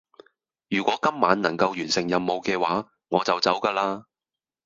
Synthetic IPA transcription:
jyː˨˩kʷɔː˨˥kɐ˥mːaː˨˧˥nnɐ˨˩ŋkɐ˧wjyː˨˩nsɪ˨˩ŋjɐ˨mːo˨˧wkɛː˧waː˨˥ | ŋɔː˨˧t͡sɐ˨wt͡sɐ˨˥wkaː˧laː˧

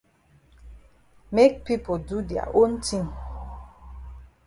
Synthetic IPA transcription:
me˦k̚pi˦po˨du˦di˨a̰˨ʔo˦n˦tĩ˦˨ŋ

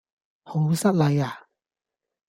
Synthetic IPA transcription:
ho˨˥wsɐ˥t̚lɐ˨˧jaː˨˩

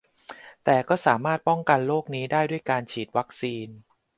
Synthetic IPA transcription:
t̪ɛː˨˩kɔː˥˩saː˩˦maː˥˩t̪̚pɔ˥˩ŋka˧nloː˥˩k̚niː˦˥daː˥˩jdu˥˩əjkaː˧nt͡ɕʰiː˨˩t̪̚wa˦˥k̚siː˧n

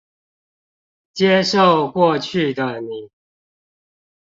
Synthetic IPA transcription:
t͡ɕjɛ˦ʂo˥˨ʊkwɔ˥˨t͡ɕʰy˥˨d̪ə˨ni˨˩˦

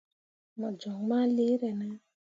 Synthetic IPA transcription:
mɔ˨d͡ʒɔ˨ŋma˦li˦ɾɛ˨na˦

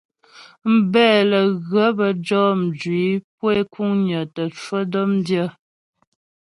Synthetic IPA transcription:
m̩˦bɛː˦˨lə˨ɣə˨˦bə˨d͡ʒɔ˦m̩˨d͡ʒwi˨˦p̚we˦ku˦ŋɲə˨tə˨t͡ʃwə˦dɔ˦m˦djə˦˨

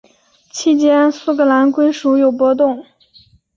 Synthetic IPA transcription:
t͡ɕʰi˥t͡ɕjɛ˥nsu˥kɤ˧˥la˧˥nkwe˥ɪʂu˧˥jo˨˩ʊpwɔ˥t̪̬ʊ˥˩ŋ

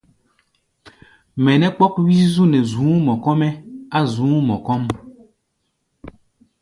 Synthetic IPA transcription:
mɛ˨nɛ˦k͡pɔ˦k̚wi˦zu˦nɛ˨zuː˨˦mɔ˨kɔ˦mɛ˦a˦zũː˨˦mɔ˨kɔ˦m

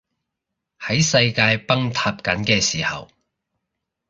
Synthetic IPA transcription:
hɐ˨˥jsɐ˧jkaː˧jpɐ˥ŋt̪ʰaː˧p̚kɐ˨˥nkɛː˧siː˨˩hɐ̰˨w

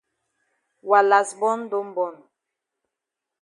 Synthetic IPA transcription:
wa˨la˨zbɔ˦n˦do˦m˦bɔ˦˨n

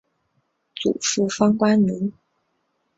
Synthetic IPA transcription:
t͡sṵ˨˩ʂu˥˩fɑ˥ŋkwa˥nnu˧˥˦ŋ

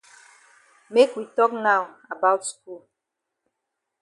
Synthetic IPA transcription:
me˦kwi˨tɔ˦kna˦wə˨ba˦ʊtskul

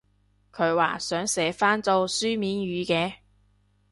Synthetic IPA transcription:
kʰɵ˨˧ɥwa̰ː˨sœː˨˥ŋsɛː˨˥faː˥nt̪o˧wsyː˥miː˨˥nɥyː˨˧kɛː˧

